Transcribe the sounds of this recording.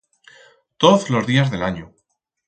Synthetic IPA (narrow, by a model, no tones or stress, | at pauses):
t̪oðlo̞zðiazðe̞laɲu